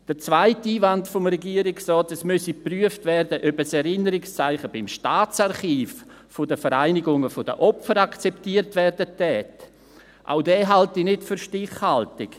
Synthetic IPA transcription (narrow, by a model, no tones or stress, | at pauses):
d̥əɾt͡svaɪtiːvantfɔmɾɛɡiːəɾɪksrɔːtɛsmʉsipryəftvɛrdəʔœbəsɛɾɪnəɾɪkst͡saɪχəbɪmʃtaːt͡saɾχiːf | fʊdəfəɾaɪnɪɡʊŋəfʊd̥ə̰ʔɔpfəɾakt͡sɛptiːəɾtvɛrdətɛːt | ʔa̰ʊdɛːɦaltinɪtfyɾʃtɪχhaltɪk